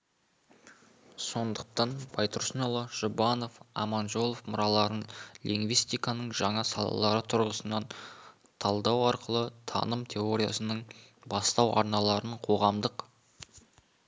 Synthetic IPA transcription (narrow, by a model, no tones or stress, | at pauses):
so̞nd̪əq̚t̪ɑnb̥ɑjt̪ʰʊɾsnolˠəʒ̥ʊbɑno̞fɑ̰mɑnʒo̞lˠofmʊɾɑlˠɑɾənliŋɡvijst̪ijkɑnəɴʒɑɴɑsɑ̰lˠɑ̰lˠɑɾət̪ʰʊɾʁəsənɑn | t̪ʰɑlˠd̪ɑwɑɾqəlˠət̪ʰɑ̰nəmt̪ʲʰe̞oɾʲija̰sənəɴbɑst̪ɑwʔɑɾnɑlˠɑɾəɴqʰo̞ʁɑmd̪əq